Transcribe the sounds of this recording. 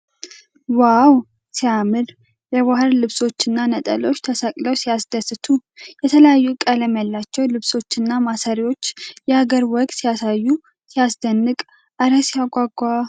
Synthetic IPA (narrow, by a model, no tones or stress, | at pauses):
waw | sijamɨl | jɛwahɨɾlɨβso̞t͡ʃːɪnːanət̪ʼə̰lo̞t͡ʃːt̪ʰəsakʼləwsijasd̪əsɨt̪ʰujɛt̪ʰələjajːukʼələmjalːat͡ʃːɛwlɨβso̞t͡ʃːɨnːamasaɾiwo̞t͡ʃːjɛhaɡəɾwɔɡʼt̪sijasajːu | sijasd̪ənːɨkʼ | ʔaɾəsijaɡʷaɡʷa